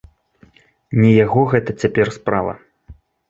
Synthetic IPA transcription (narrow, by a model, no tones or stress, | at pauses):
nʲɛjaɣɔɣɛt̪ɐt͡sʲapʲɛrspɾavɐ̰